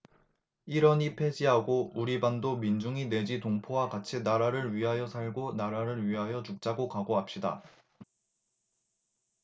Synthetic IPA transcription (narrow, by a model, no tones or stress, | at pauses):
iɾʌɲipʰe̞d͡ʑiɦaɡouɾibandomind͡ʑuŋine̞d͡ʑitoŋpʰowakat͡ɕʰinaɾaɾɯɭɥiɦajʌsʰaɭɡonaɾaɾɯɭɥiɦajʌt͡ɕuk̚t͡ɕ͈aɡokaɡoɦap̚ɕ͈ida̰